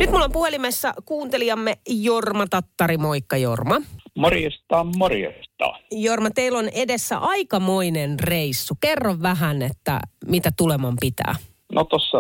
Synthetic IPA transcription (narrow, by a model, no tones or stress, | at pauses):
nyt̪mulːompuelimesːækuːnt̪eliɑmːejormɑt̪ɑt̪ːɑɾimoikːɑjo̰rmɑmorijest̪ɑːmmorijḛst̪ɑ̰ːjormɑt̪eilonedesːæ̰ʔɑikɑmoinenreisːukerːoʋʋæɦænet̪ːæ̰mit̪æt̪ulemɑmpit̪æ̰ː | not̪osːɑ